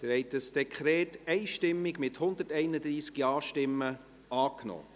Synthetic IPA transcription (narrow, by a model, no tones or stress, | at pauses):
əɾhɛɪtəsd̥ɛkʰχɾɛːtɛɪʃtɪmːɪɡmɪthʊnd̪ətɛɪnəd̪ɾiːskjɑːʃtɪmːə | ɑːknɔ̰ː